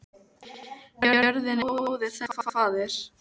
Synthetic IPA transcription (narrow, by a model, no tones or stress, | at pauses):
œɾðɪnɪðɪ̥θɛfaafaːðɪɾ̥